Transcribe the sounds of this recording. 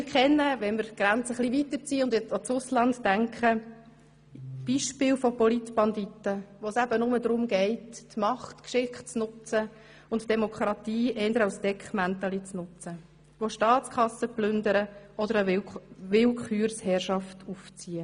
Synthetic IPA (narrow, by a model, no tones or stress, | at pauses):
mɪɾkʰɛnːəʋɛnmɪɾɡ̥ɾænt͡səχliʋit̪əɾt͡siːəʊndjɛt͡sot͡sʊslɑndːæŋkχə | b̥iʃpɪːlfɔpɔlitb̥ɑnd̪itəʋoːsæbənʊməd̪ɾʊmɡɛɪttmɑχtkʃɪχt͡snʊt͡sə | ʊntd̥ɛmokʰɾɑt̪iːʔɛːnd̪əɾaʊsd̥ɛkχmænt̪ɑlit͡snʊt͡sə | ʋoʃtɑːt͡skʰχɑsːəplʏndəɾəɔd̪əɾəʋɪlkʰχyːɾshɛrʃɑftuft͡siːə